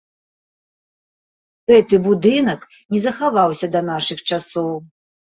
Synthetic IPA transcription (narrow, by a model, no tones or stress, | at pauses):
ɣɛt̪ɨbud̪ɨnɐk | nʲɛzɐxavawsʲɐd̪ɐn̪aʂɨxt͡ʂasɔw